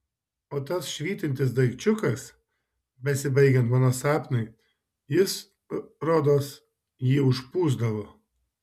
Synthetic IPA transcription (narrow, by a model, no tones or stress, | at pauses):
oːt̪ɐsʃʲʋʲiːt̪ʲɪnʲt̪ʲɪs̬d̪ɐɪkt͡ʃʲʊkɐs | bʲɛsʲɪbɐɪɡʲɛnt̪mɑːnoːsɑːpnɐɪ | jɪs | ɾoːd̪oːs | jiːʊʃpuːzd̪ɐʋoː